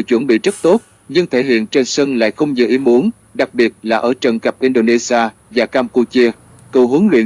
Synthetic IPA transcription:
t͡ɕwə˧˩nɓḭ˧˨zə˦˥t̚t̪o˦˥t̚ | ɲɨ˧ŋt̪ʰe˧˩ɦḭ˧˨ənt͡ɕe˧nsə˧nla̰ː˧˨jxə˧wŋ͡mɲɨ̰˨˩ʔi˨˦mu˨˦ən | ɗa˨˩k̚ɓi˨˩ət̚laː˨˩ʔəː˧˩t͡ɕə˨˩nkə˨˩p̚ʔi˧nɗo˧˩ne˧si˧aː˧ | vaː˨˩kaː˧mku˧t͡ɕi˧ə | k̪ə˨˩ɦu˨˦əŋlwḭ˧˨ə

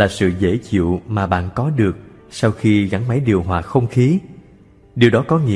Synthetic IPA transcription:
laː˨˩sɨ̰˧˨zə̰˧˩t͡ɕḭ˧˨əwmaː˨˩ɓa̰ː˧˨nkɔ˨˦ɗɨ˨˩ək̚ | sa˧wxi˧ɣa˧˩nma˨˦jɗi˨˩əwɦwaː˨˩xə˧wŋ͡mxi˨˦ | ɗi˨˩wɗɔ˨˦kɔ˨˦ŋḭ˧˥

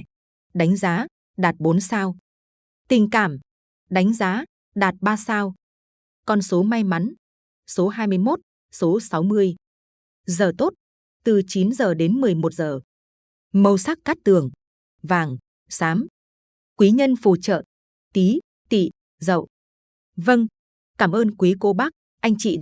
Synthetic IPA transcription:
ɗa˨˦jŋ̟zaː˨˦ | ɗaː˨˩t̚ɓo˨˦nsaː˧w | t̪ï˨˩ŋ̟kaː˧˩m | ɗa˨˦jŋ̟zaː˨˦ | ɗaː˨˩t̚ɓaː˧saː˧w | kɔ˧nso˨˦ma˧jma˨˦n | so˨˦ɦaː˧jmɨ˧əjmo˦˥t̚ | so˨˦sa˨˦wmɨ˧əj | zəː˨˩t̪o˦˥t̚ | t̪ɨ˨˩t͡ɕi˨˦nzəː˨˩ɗe˨˦nmɨ˨˩əjmo˨˩t̚zəː˨˩ | mə˧wsa˦˥k̚kaː˦˥k̚t̪ɨ˨˩əŋ | vaː˨˩ŋ | saː˨˦m | kwi˨˦ɲə˧nfu˨˧˩t͡ɕə̰ː˧˨n | t̪i˨˦ | t̪ḭ˧˨ | zə̰˧˨wʔ | və˧ŋ | kaː˧˩mʔəː˧nkwi˨˦ko˨˦ɓa˦˥k̚ | ʔa˧jŋ̟t͡ɕḭ˧˨

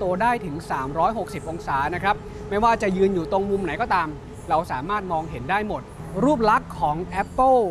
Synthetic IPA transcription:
t̪u˧ɐdaː˥˩jt̪ʰɯ˩˦ŋsaː˩˦mɾɔː˦˥jɦo˨˩k̚si˨˩p̚ʔo˧ŋsaː˩˦na˦˥kʰɾa˦˥p̚ | ma˥˩jwaː˥˩t͡ɕa˨˩jɯː˧njuː˨˩t̪o˧ŋmu˧mna˩˦jkɔː˥˩t̪aː˧m | ɾa˧wsaː˩˦maː˥˩t̪̚mɔː˧ŋɦe˩˦ndaː˥˩jmo˨˩t̪̚ | ɾuː˥˩p̚la˦˥kʰːɔː˩˦ŋʔɛ˦˥pːə˥˩

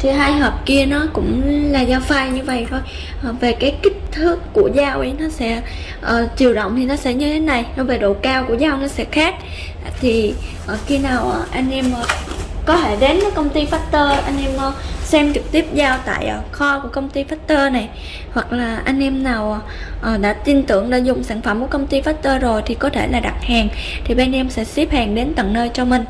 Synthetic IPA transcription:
t̪ʰi˨˩ɦaː˧jɦəː˨˩p̚ki˧ənɔ˨˦kʊ̰˧˥ŋ͡mlaː˨˩zaː˧wfaː˧jɲɨ˧və̰˧˨jt̪ʰo˧j | ʔve˨˩kaː˨˦jkï˦˥k̟̚t̪ʰɨ˦˥kːu˧˩əzaː˧wʔi˨˧˦jnɔ˨˦sɛ̰˧˥ | ʔəː˨˩t͡ɕi˨˩əwɗə̰˧˨wŋ͡mt̪ʰi˨˩nɔ˨˦sɛ̰˧˥ɲɨ˧t̪ʰe˨˦na˨˩jnɔ˨˦ve˨˩ɗo̰˧˨kaː˧wku˧˩əzaː˧wnɔ˨˦sɛ̰˧˥xaː˦˥k̚ | t̪ʰi˨˩ʔəː˨˩xi˧naː˨˩wʔa˨˩ʔa˧jŋ̟ʔɛ˧mʔəː˨˩kɔ˨˦t̪ʰe˧˩ɗe˨˦nmə˨˦kə˧wŋ͡mt̪i˧faː˦˥t̚t̪əː˧ʔa˧jŋ̟ʔɛ˧mʔəː˨˩sɛ˧mt͡ɕɨ˨˩k̚t̪i˦˥əp̚zaː˧wt̪a̰ː˧˨jʔəː˨˩xɔ˧ku˧˩əkə˧wŋ͡mt̪i˧faː˦˥t̚t̪əː˧na˨˩j | hwa˨˩k̚laː˨˩ʔa˧jŋ̟ʔɛ˧mnaː˨˩wʔ | ʔəː˨˩ɗa̰ː˧˥t̪i˧nt̪ɨ˧˩əŋɗa̰ː˧˥zʊ˨˩ŋ͡msaː˧˩ŋfə˧˩mkkə˧wŋ͡mt̪i˧faː˦˥t̚t̪əː˧zo˨˩jt̪ʰi˨˩kɔ˨˦t̪ʰe˧˩laː˨˩ɗa˨˩t̚haː˨˩ŋt̪ʰi˨˩ɓaː˧nʔɛ˧msɛ̰˧˥si˦˥p̚haː˨˩ŋɗe˨˦nt̪ə̰˧˨ŋnəː˧jt͡ɕɔ˧mï˨˩ŋ̟

